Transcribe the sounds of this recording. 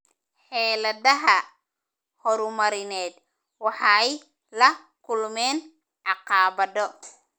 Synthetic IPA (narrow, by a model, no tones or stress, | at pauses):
ħɛːlɐðɐɦɐ | hɔɾʊmɐɾɪnɛːd̪ | wɑħɑːɛj | lɐ | kʰʊlmɛːn | ʕɑqɑːbɐðɔ